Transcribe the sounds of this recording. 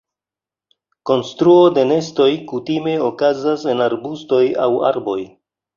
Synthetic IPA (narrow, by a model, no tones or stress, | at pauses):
ko̞nstɾuo̞de̞ne̞s̬to̞jkutime̞okazase̞naɾbusto̞ja̰wa̰ɾbo̞j